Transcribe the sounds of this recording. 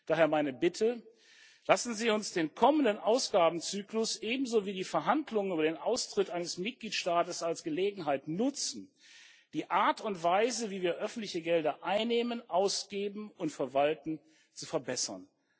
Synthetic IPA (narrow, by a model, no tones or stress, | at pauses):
d̥aːheːɐmaɪnəbɪtʰə | lasn̩ziːʊnsd̥eːnkʰɔməndənʔaʊsɡ̥aːbm̩t͡syːklʊsʔeːbm̩zoːviːdiːfɛɐɦandlʊŋənyːbɐdeːnʔaʊstʁ̥ɪtʔaɪnəsmɪt̚ɡ̥liːtʃtaːtəsalsɡ̥əleːɡŋ̩ɦaɪtnʊt͡sn̩ | d̥iːʔaɐtʊntv̥aɪzəviːviːɐʔœfn̩tlɪçəɡɛldɐʔaɪnːeːmənʔaʊsɡ̥eːbm̩ʊntfɛɐvaltn̩ | t͡sufɛɐbɛsɐ̰n